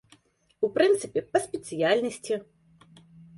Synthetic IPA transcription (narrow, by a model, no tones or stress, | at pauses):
upɾɨnt̪sɨpʲɛpɐsʲpʲɛt̪sɨjalʲnɐsʲt͡sʲi